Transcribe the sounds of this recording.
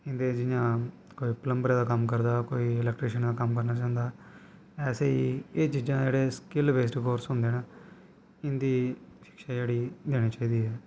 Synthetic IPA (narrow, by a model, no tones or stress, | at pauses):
ɪnd̪eːd͡ʒɪjãː | koːiːpələmbəɾãːd̪aːkəmkəɾd̪aːkoːiːɪlɛːk̚ʈɾeːʃənd̪aːkəmkəɾnaːt͡ʃãːnd̪aː | ɛːseːiːeːt͡ʃid͡ʒãːd͡ʒeːɽeːskɪlʋeːs̬ʈkoːɾsɦʊ̃nd̪eːna | ɪnd̪iːʃɪ̥kʃaːd͡ʒeːɽiːd̪eːɽ̃iːt͡ʃaːiːd̪iːɦɛː